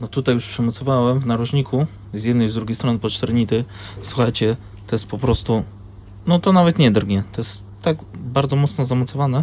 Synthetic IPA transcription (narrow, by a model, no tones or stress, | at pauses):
nɔt̪ut̪ajuʂpʂɛmɔt̪sɔvawɛmvnaɾuʐɲikʰu | zʲjɛd̪nɛjzd̪ɾuɡʲejst̪ɾɔnɘpɔt͡ʂt̪ɛɾɲit̪ɘ | swuxajt͡ɕɛ | t̪ɔjɛspɔpɾɔst̪u | nɔt̪ɔnavɛt̪ɲɛd̪ɾɡɲɛt̪ɔjɛst̪ːaɡbaɾd̪zɔmɔt̪snɔzamɔt̪sɔvanɛ